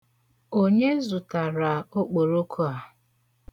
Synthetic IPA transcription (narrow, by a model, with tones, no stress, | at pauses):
o˦ɲe˦zʊ˨ta˨ɾa˨o˦k͡po˨ɾo˦kʰo˦a˨